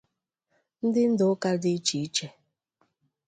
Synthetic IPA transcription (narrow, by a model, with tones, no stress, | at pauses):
n̩˦dɪ˦n̩˦dʊ˨˦ka˦dɪ˦t͡ʃi˨˦t͡ʃɛ˨